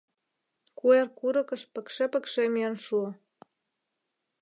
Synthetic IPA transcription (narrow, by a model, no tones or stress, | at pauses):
kuerkuɾɤ̆kə̆ʃpə̆kʃĕpə̆kʃemiənʃuə̆